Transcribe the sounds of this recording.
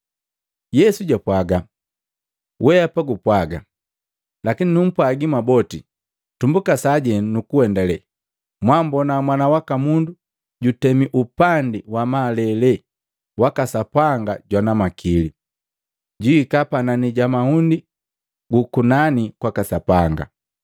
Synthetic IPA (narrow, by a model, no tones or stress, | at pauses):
jɛsuɟapwaɡa | wʔɛapaɡupwaɡa | lakininum̩pwaɡimabɔti | tumbukasaɟɛnukuwɛndalɛ | mwambɔnamwanawakamundu | ɟutɛmiʔupandiwamaːlɛlɛ | wakasapaŋɡaɟwanamakʰili | ɟuikapananiɟamahundi | ɡukunanikwakasapaŋɡa̰